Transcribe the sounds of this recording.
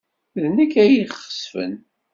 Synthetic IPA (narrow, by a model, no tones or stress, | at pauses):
ðnəkːæjiχə̥sfə̰n